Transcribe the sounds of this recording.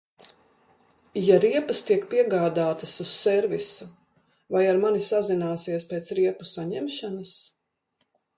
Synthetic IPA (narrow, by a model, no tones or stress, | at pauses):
jaɾiɛpɐst̪iɛkpiɛɡaːd̪aːt̪ɐsussɛɾvisu | vajaɾmanisazinaːsiɛspeːt̪sɾiɛpusaɲɛmʃanɐs